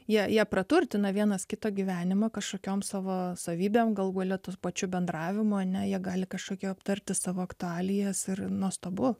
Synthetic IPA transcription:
jiɛjiɛpɾɐt̪urʲt̪ʲɪnɐʋʲiɛnɐskʲɪt̪oːɡʲɪʋʲæːnʲɪmɐkɐʃkoːkʲoːmsɑːʋoːsɐʋʲiːbʲeːmɡɐlˠɡuɔlʲɛt̪ospɐt͡ʃʲʊbʲɛnd̪rɑːʋʲɪmʊɐnʲɛjiɛɡɑːlʲɪkɐʃkoːkʲɛɐpt̪ɐɾʲt̪ʲɪsɑːʋoːɐkt̪ʊɑːlʲɪjɛsɪrnust̪oːbʊ

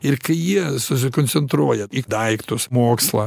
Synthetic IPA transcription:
ɪɾkɐɪjiɛsʊs̬ʲɪkonʲsʲɛnt̪ɾuɔjɛid̪ɐɪkt̪ʊsmoːkslˠɑ̰

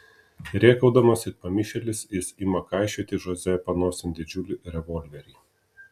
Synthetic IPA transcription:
ɾʲeːkɐʊd̪ɐmɐsɪpɐmʲɪʃʲɛlʲɪsɪsimɐkɑɪʃʲɛːt̪ʲɪʒɔzʲɛpɐnoːsʲɪnʲd̪ʲɪd͡ʒʲʊlʲuɾʲɛʋɔlʲʋʲɛɾʲɛː

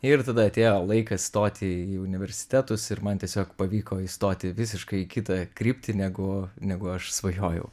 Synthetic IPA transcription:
ɪrt̪ɐd̪ɐɐt̪ʲeːjoːlˠɐɪkɐst̪oːt̪ʲɪiːʊnʲɪʋʲɛɾʲsʲɪ̥t̪ʲæt̪ʊsɪɾmɐnt̪ʲiɛsʲoːkpɐʋʲiːkoːiːst̪oːt̪ʲɪʋʲɪs̬ʲɪʃkɐɪkʲɪt̪ɐkɾʲiːpʲt̪ʲɪnʲɛɡʊnʲɛɡʊɐʃsʋɐjoːjɛ̰ʊ

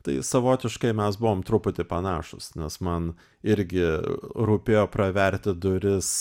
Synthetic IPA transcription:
t̪ɐɪsɐʋoːt̪ʲɪʃkɐɪmʲɛsbʊʋoːmt̪ɾʊpʊt̪ʲɪpɐnɑːʃʊ̰snʲɛsmɐn | ɪɾʲɡʲɪɾuːpʲeːjoːpɾɐʋʲɛɾʲt̪ʲɪd̪ʊɾʲɪs

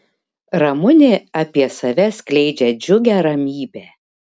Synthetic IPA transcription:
ɾɐmʊnʲɪɐpʲiɛsɐʋʲɛsʲklʲɛɪd͡ʒʲɛd͡ʒʲʊɡʲæːɾɐmʲiːbʲeː

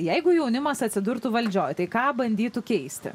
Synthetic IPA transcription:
jɛɪɡʊjɛʊnʲɪmɐsɐt̪ʲsʲɪd̪ʊɾt̪ʊʋɐlʲd͡ʒʲoːjt̪ɐɪkɑːbɐnʲd̪ʲiːt̪ʊkʲɛɪsʲt̪ʲɪ̰

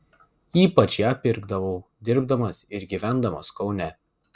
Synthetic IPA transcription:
iːpɐt͡ʃjæːpʲɪɾɡd̪ɐʋoʊd̪ʲɪɾbd̪ɐmɐsɪɾɡʲiːʋʲæˑnd̪ɐmɐskɒʊnʲɛ

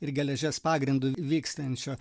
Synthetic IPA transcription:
ɪɾɡʲɛlʲɛʒʲɛspɑːɡɾʲɪnd̪ʊʋʲiːkst̪ɐnʲt͡ʃʲoː

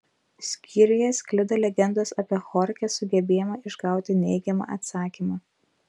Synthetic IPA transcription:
sʲkʲiːɾʲɪjɛsʲkʲlʲɪd̪ɐlʲɛɡʲɛnd̪oːsɐpʲiɛxɔɾʲkʲɛsʊɡʲɛbʲeːjɛmɐɪʒɡɑˑʊt̪ʲɪnʲɛɪɡʲɛmɑ̰ːʔɐt̪sɑːkʲiːmɑː

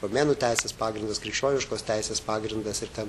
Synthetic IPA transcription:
pomʲeːnuːt̪ʲɛɪsʲeːspɑːɡɾʲɪnd̪ɐskɾʲɪkʃʲt͡ʃʲoːnʲɪʃkoːst̪ʲæɪsʲeːspɑːɡɾʲɪnd̪ɐsɪɾt̪ʲɛn

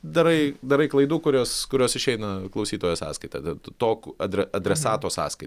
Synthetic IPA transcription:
d̪ɐɾɐɪd̪ɐɾɐɪklˠɐɪd̪uːkʊɾʲoːskʊɾʲoːsɪʃʲɛɪnɐklˠɐʊsʲiːt̪oːjoːsɑ̰ːskɐɪt̪ɐ̰t̪t̪oːkɐd̪ʲɾʲɛɐd̪ʲɾʲɛsɑːt̪oːsɑ̰ːskɐɪ

